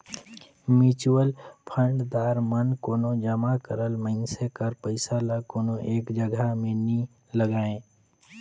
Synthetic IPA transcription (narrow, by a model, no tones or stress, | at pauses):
mit͡ʃuwəlpʰə̃ɳɖd̪aːɾmənkoːnõd͡ʒəmakəɾəlməɪnsekəɾpəɪsalakoːnoʔeːkd͡ʒəɡʱamẽni | ləɡaːẽː